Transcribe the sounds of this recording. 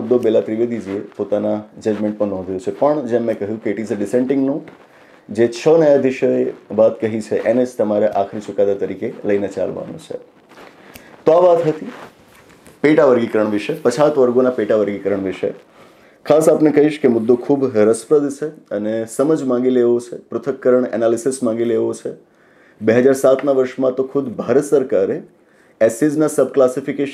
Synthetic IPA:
ʊd̪ːobelat̪ɾiʋed̪id͡ʒiepot̪anad͡ʒəd͡ʒmẽɳʈ̚pəɳnɔ̃ɦd̪ʱjõt͡ʃʰepəɳd͡ʒemːẽkəɦjũkeːʈizəɖɪsẽɳʈɪ̃ŋɡno | d͡ʒet͡ʃʰənəjad̪ɪʃoeʋat̪kəɦit͡ʃʰeʔened͡ʒt̪əmaɾeʔakʰɾit͡ʃʊkad̪at̪əɾikeləinet͡ʃa̰lʋa̰no̰t͡ʃʰḛ | t̪oaʋat̪ɦət̪i | peʈaʋəɾɡikəɾəɳʋiʃəpət͡ʃʰat̪ʋəɾɡonapeʈaʋəɾɡikəɾəɳʋiʃə̰ | kʰasapnekəɦiʃkemʊd̪ːokʰubɾəsfɾəd̪t͡ʃʰeənesəməd͡ʒmãŋɡileʋot͡ʃʰepɾʊt̪ʰəkːəɾəɳɛ̰nalisismãŋ̆ɡileʋot͡ʃʰe | beɦəd͡ʒaɾsat̪ʰnaʋəɾʃmãt̪okʰud̪bʱaɾət̪səɾkaɾe | ɛsid͡ʒnasəbʱklasifikeʃ

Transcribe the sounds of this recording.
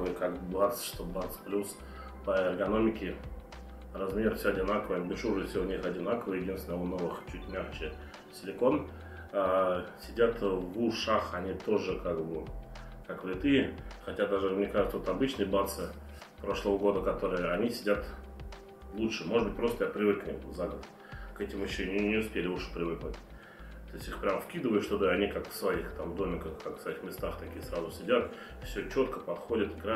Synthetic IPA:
vɨkakbat̪sʂt̪obat̪splʲus | pəɪɡɐno̞mʲɪkʲɪ | rɐzmʲe̞ɾfsʲoɐdʲɪnakəvəjəbʊlʲʂuʐɨfsʲoʊnʲixɐdʲɪnakəvəjɪdʲinsvʲɪnəʊno̞vɨxt͡ɕutʲmʲaxt͡ɕɪ | sʲɪlʲɪko̞n | sʲɪdʲat̪vuʂaxɐnʲit̪o̞ʐɨkakvʊ | kakvlʲɪt̪ɨjɪxɐtʲad̪aʐɨmnʲekaʐɨt̪səvot̪ɐbɨt͡ɕnɨjəbat̪sɨ | pɾo̞ʂlˠəvəɡo̞d̪əkɐt̪o̞ɾɨjəɐnʲisʲɪdʲat̪ | lˠutʂɨmoʐɨd̪bɨt̚ʲpɾo̞st̪əjapɾʲɪvɨknʲizaɡəd̪ | kɛtʲɪmjɪɕːonʲɪnʲɪʊspʲelʲɪuʂɨ̥pɾʲɪvɨknʊtʲ | t̪o̞ɪsʲt̪ʲixpɾʲamfkʲid̪əvəjʊʂt̪od̪aɐnʲikakfsvɐixt̪amd̪o̞mʲɪkəxkakfsvɐixmʲɪst̪axt̪ɐkʲijəsɾazʊsʲɪdʲat̪ | fsʲot͡ɕot̪kəpɐt̪xo̞dʲɪt̪ɪɡɾa

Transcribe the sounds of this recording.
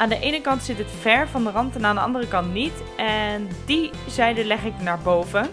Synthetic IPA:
ʔaːndəʔejnəkɑntsɪtɦətfɛɹvɑndərɑntɛnaːndəɑ̰ndərəkɑntnit | ʔɛndi | zɛjdəlɛχɪk̚naːɹbowvə

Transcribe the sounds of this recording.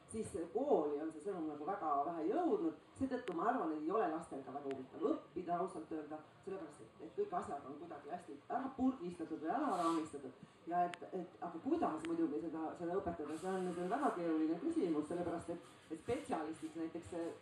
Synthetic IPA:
sisseko̞ːlio̞nse̞sɤnumnɑɡ̥uvæɡ̥ɑvæɦæjɤwd̪̥nud̪̥se̞ːd̪ɤt̪ːukumɑɑrvɑneejo̞le̞lɑst̪e̞lɡ̥ɑvæɡ̥ɑubit̪ːˑɑvɤpːid̪̥ɑɑusɑlt̪ːøːld̪̥ɑ | se̞lepæɾɑst̪et̪et̪̚kɤjkːˑɑsjɑd̪o̞nkujd̪̥ɑɡ̥iæsʲt̪iæɾɑpurɡ̪ist̪ɑt̪ːud̪̥vɤjæɾɑɾɑːnist̪ɑt̪ːˑud̪̥ | jɑe̞t̪ːˑe̞t̪ːɑɡ̥ɑkujd̪ɑsmujd̪uɡ̥ise̞d̪ɑse̞d̪ɑɤpːˑe̞t̪ˑːɑd̪̥ɑse̞onːed̪onvæɡ̥ɑke̞ːɾulinekysʲimusse̞lːe̞pæɾɑst̪e̞t̪ː | et̪spe̞tsiɑlist̪iksnæjt̪ːˑe̞kse

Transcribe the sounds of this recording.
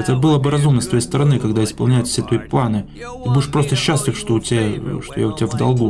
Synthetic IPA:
ɛt̪əbɨlˠəbɨɾɐzumnəst̪vɐjejst̪əɾɐnɨkɐɡd̪aɪspɐlˠnʲæjɪt̪fsʲet̪vəiplˠanɨ | t̪ɨbudʲɪʂpɾo̞st̪əɕːæsʲlʲɪfʂt̪o̞ʊtʲɪaʂt̪oja̰ʊtʲɪavd̪ɐlˠɡu

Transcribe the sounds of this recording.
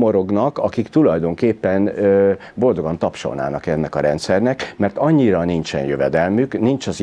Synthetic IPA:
moɾo̞ɡnɒkɒkikt̪ulɒjd̪o̞ŋkeːpːɛnø | bo̞ld̪o̞ɡɒnt̪ɒpʃo̰lna̰ːnɒkɛnːɛkɒɾɛnt̪sɛrnɛkmɛrt̪ɒɲːiɾɒnint͡ʃɛ̰njøvɛd̪ɛlmyknint͡ʃɒz

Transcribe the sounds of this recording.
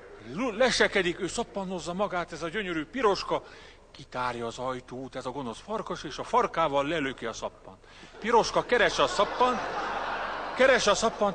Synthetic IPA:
lɛʃɛkɛd̪ikøːsɒpːɒnːozːɒmɒɡaːt̪ɛzɒɟøɲøɾyːpiɾo̞ʃkɒ | kit̪aːrjɒːzɒjt̪uːt̪ɛzɒɡo̞no̞sfɒrkoʃeːʃɒfɒrkaːvɒlːɛløkiɒsɒpːɒ̰nt̪piɾo̞ʃkɒkɛɾɛʃɛɒsɒpːɒnt̪ | kɛɾɛʃɒsɒpːɒn

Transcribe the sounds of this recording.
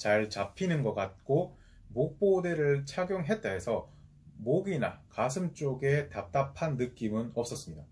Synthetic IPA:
t͡ɕaɭt͡ɕapʰinɯnɡʌk͈at̚k͈o | mok̚p͈odeɾɯɭt͡ɕʰaɡjoŋɦe̞t̚t͈eesʰʌ | moɡina̰kasʰɯmt͡ɕ͈oɡe̞tap̚t͈apʰanːɯk͈imɯnʌps͈ʌs͈ɯmɲida

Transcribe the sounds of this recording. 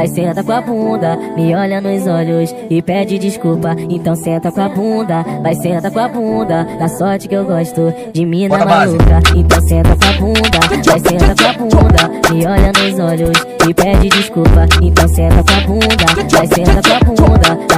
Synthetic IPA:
ajsẽt̪ɐkõɐbũd̪ɐ | mɪɔʎɐnʊzɔʎʊs | ɪpɛd͡ʒɪd͡ʒɪʃkupɐẽnt̪ɐ̃w̃sẽnt̪ɐkõɐbũd̪ɐvajsẽnt̪ɐkõɐbũd̪ɐd̪ɐsɔɾt͡ʃɪ̥kɪewɡɔʃt̪ʊ | d͡ʒɪmĩnɐmaukɐẽnt̪ɐ̃w̃sẽnt̪ɐkõɐbũd̪ɐvajsẽnt̪ɐkõabũd̪ɐmɪɔʎɐnʊzɔʎʊs | ɪpɛd͡ʒɪd͡ʒiʃkuwpɐẽnt̪ɐ̃w̃sẽnt̪ɐkõɐbũd̪ɐvajsẽt̪ɐkõabũd̪ɐ

